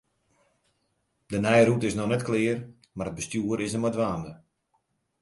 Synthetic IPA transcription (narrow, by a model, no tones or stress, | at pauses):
dənɛjrutɪsnɔnɛtklɪər | maɾət̚bəstjuːəɾɪsəmɔdʋaːndə